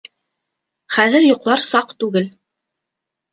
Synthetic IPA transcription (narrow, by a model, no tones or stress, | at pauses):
χæðɘɾjŏqlˠɑɾsɑqt̪ʉɡɘl